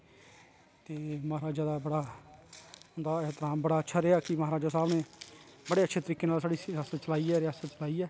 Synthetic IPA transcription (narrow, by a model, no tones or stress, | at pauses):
t̪eːmaːɾaːd͡ʒjaːd̪aːbəɽaː | ɦʊnd̪aːɪɦt̪ɾaːmbəɽaːətːʃʰaːɾeːaːkɪmaɦːɾaːd͡ʒaːsaːbɽeːbəɽeːətːʃʰeːt̪əɾiːkeːnaːlsaːɽiːaːsət̪̚t͡ʃəlaːiːɛːɾɪjaːsət̪̚t͡ʃəlaːiːɛː